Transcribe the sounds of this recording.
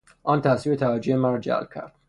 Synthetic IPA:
ʔɒːnt̪ʰæsviːmet̪ʰævæd͡ʒoemæɾɔd͡ʒæ̰lb̥̚cʰæ̰ɾd̪̥

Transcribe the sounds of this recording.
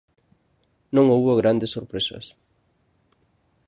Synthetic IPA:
nõŋowβoɣɾand̪esːoɾpɾesɐ̰s

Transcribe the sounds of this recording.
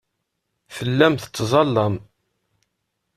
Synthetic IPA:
fəlːæmθə̥t͡sːzˤɑlːɑm

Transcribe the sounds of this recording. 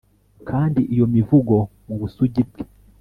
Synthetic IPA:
kʰaːndiʔijɔmivuɡɔmuɡusuɟibti̥

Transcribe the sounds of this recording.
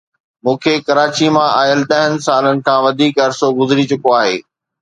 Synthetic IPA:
mũːkʰeːkɐɾaːt͡ɕimãʔaːjəlt̪ɐ̃ɦɪnɪ̆saːlənɪ̆kʰãːʋɐd̪ʱiːkɐɾsoɡʊzɪɾit͡ɕʊkoaːɦḛː

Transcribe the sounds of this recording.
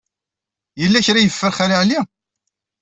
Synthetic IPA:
jəlːæçɾajəfːəɾχaɾiʕli

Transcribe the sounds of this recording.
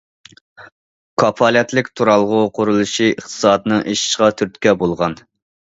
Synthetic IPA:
kʰɑpʰɑlɛt̪lɪkʲt̪ʰuɾɑlˠʁʊqʰʊɾulˠuʃiəχt̪ʰɨ̥sɑːd̪ɨnɨŋʔeʃi̥ʃʁɑt̪ʰyɾt̪kʲɛbolˠʁɑn

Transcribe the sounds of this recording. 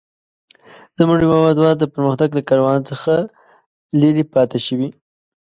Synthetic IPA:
zəmʊʐimɑmad̪wɑd̪əpəɾməxt̪aɡlakɑɾawɑnt͡səxa | liɾipɑt̪eʃəwi

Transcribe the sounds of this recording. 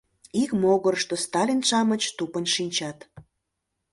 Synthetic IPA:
ikmoɣərʃt̪ost̪ɑlʲinʃɑmət͡ɕt̪upənʃinʲt͡ɕɑt̪

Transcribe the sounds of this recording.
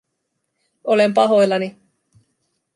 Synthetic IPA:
ʔole̞mpɑɦo̞jlːɑni

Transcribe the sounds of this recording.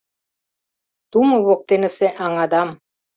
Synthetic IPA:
t̪umɤ̆βok̚t̪enɘ̆seʔɑŋɑd̪ɑm

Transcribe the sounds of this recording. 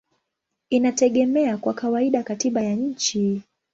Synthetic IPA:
inatɛɠɛmɛakwakawaiɗakatiɓajaɲ̩t͡ʃi

